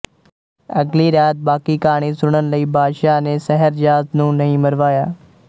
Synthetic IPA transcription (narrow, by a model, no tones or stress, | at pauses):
ɐɡliɾjaːt̪̚baːkikaːɽ̃isʊɽ̃ənɪ̆ləiːbaːd̪ʃanẽsɐɦəɾd͡ʒaːznũːnɐɦĩmɐɾʋaːjaː